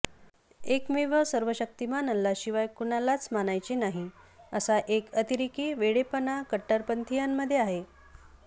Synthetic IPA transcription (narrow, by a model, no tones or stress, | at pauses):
ekmiʋəsəɾʋəɕək̚t̪imanəlːaɕiʋajkuɳalat͡smanajt͡ɕinaɦi | əsaʔekət̪iɾikiːʋeɽepənakəʈːəɾpənt̪ʰijamːəd̪ʱjeaɦe